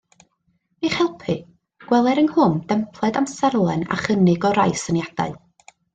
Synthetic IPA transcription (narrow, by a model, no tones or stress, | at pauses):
miχhɛlˠpʰɨ | ɡ̥wɛlˠɛɾənhʊnd̥ɛmpʰlˠɛdamsɛrlˠɛna̰χənɪɡɔɾajsənjad̥a̰ɨ